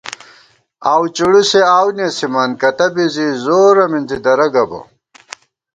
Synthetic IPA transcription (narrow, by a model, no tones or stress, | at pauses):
aːwt͡ɕuɽuseaːwnesimɐnkɐt̪ɐbizizoɾɐminzid̪ɐɾɐɡɐbɐ̰